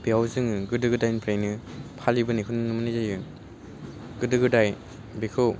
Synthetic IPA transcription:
biawzɯŋɯɡɯdɯɡɯdajnpʰɾejnɯpʰalibɯnikʰɯnɯnɯmɯnizajɯ | ɡɯdɯɡɯdaj | bikʰɯw

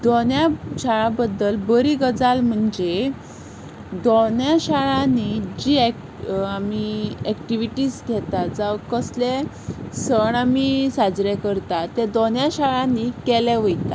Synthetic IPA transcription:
d̪onjaɕaɭabəd̪ːəlbəɾiɡəd͡zalm̤əɳd͡ʑe | d̪onjaɕaɭãnid͡ʑi | amiɛkʈiʋiʈiːsɡʱɛt̪ad͡zaʋkəsle | səɳamisad͡zɾekəɾt̪at̪ɛd̪onjaɕaɭãnikɛlɛʋəjt̪a

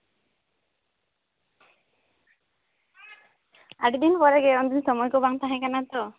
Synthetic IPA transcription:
aɖid̪inpɔɾɛɡɛɔnd̪insɔmɔjkɔbaŋt̪aɦɛ̃kanat̪ɔ

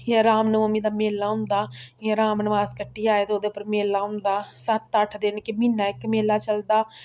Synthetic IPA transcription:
jãɾaːmnʊməmiːd̪aːmeːlːaːɦʊ̃nd̪aːjãːɾaːmnəʋaːskəʈːiːaːeːt̪eoːd̪eːʊpːəɾmeːlːaːʊnd̪aːsət̪ːəʈʰd̪eːnkemiːnaːɪkmeːlːaːt͡ʃəld̪aː

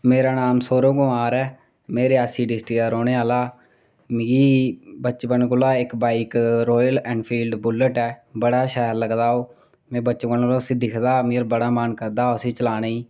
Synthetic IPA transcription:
meːɾaːnaːmsoːɾõːɡõːaːɾɛː | meːɾeaːsiːɖɪsʈiːaːɾoːɽeːaːlaː | miːiːbətːt͡ʃbəɳkːlaːɪkbaːiːkɾoːjəlɛ̃ːɳpʰiːlɖbʊləʈɛːbəɽaːʃaːəɾləɡd̪aːoː | mɛ̃ːbəːt͡ʃbəɳloːsĩːd̪ɪkʰd̪aːmeːɾbəɽaːmaːnkəɾd̪aːoəsĩːt͡ʃəlaːnaiː

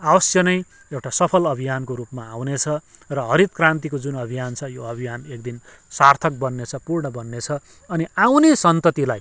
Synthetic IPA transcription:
abʌsjʌnʌj | ewʈasʌpʰʌlʌbʱijankoɾupmaːwnet͡sʰʌrʌɦʌɾit̪̚krãnt̪ikod͡zunʌbʱijant͡sʰʌjoʌbʱijanek̚d̪in | sart̪ʰʌk̚bʌnːet͡sʰʌpurɳʌbʌnːet͡sʰʌ | ʌniawnesʌnt̪ʌt̪ilaj

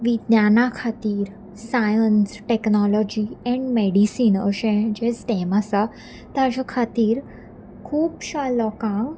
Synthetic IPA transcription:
ʋid̪njanakʰat̪iːɾ | sajənsʈeknɔlɔd͡ʑiɛ̃ɳɖmeɽisinə̰ɕẽd͡ʑet͡st̪ɛmasa | t̪ad͡ʑakʰat̪iːɾ | kʰuːpɕalɔkãŋɡ

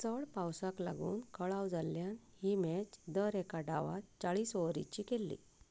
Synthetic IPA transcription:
t͡səɭpawsaklaɡuːnkəɭawd͡zalːjanhiːmɛt͡ɕd̪əɾɛkaɖaʋa̰t͡saɭiːsɔʋɾḭt͡ɕiːkelːḭ

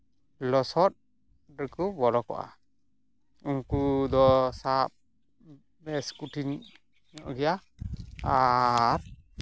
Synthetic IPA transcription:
lɔsɔt̪̚ | ɾɛkubɔɾɔkɔ̰ʔa̰ | uŋkud̪ɔsap̚ | bɛskuʈʰin | ɔ̰ɡɛja | aɾ

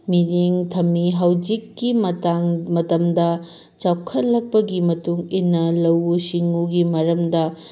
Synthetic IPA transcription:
miliŋtʰɐmːiɦawd͡ʒikːimɐtaŋmɐtɐmdɐ | t͡ʃawkʰɐt̚lɐk̚pɐɡimɐtuŋinːɐlɐwusiŋuɡimɐɾɐmdɐ

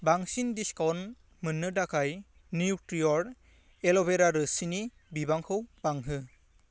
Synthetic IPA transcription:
baŋsindiskawn | mɯnːɯdakʰaj | niutɾiɔɾ | elɔbeɾaɾɯsini | bibaŋkʰɯwbaŋɦɯ

